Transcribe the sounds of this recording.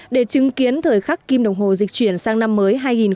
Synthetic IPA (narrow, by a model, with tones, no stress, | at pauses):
ɗe˧˩t͡ɕɨ˨˦ŋki˨˦ənt̪ʰəː˨˩jxa˦˥kki˧mɗə˨˩wŋ͡mɦo̰˨˩zï˨˩k̟̚t͡ɕwi˧˩ənsaː˧ŋna˧mːəː˨˦jɦaː˧jŋi˨˩n